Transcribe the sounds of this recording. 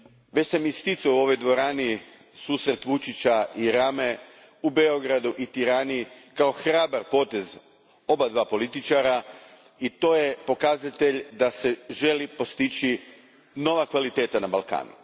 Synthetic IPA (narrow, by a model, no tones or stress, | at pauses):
ʋet͡ɕsamist̪it̪suuo̞ʋo̞jd̪ʋo̞ɾaːni | suːsɾe̞t̪ʋut͡ʃit͡ɕaiɾame̞ | ubeo̞ɡɾad̪uʔit̪iɾaːnikao̞xɾaːbaɾpo̞ːt̪e̞z | o̞bad̪ʋaːpo̞lit̪it͡ʃaɾa | it̪o̞ːjepo̞kazat̪e̞ʎd̪ase̞ʒe̞lipo̞st̪it͡ʃi | no̞ʋakʋalit̪e̞ːt̪anabalˠka̰ːnṵ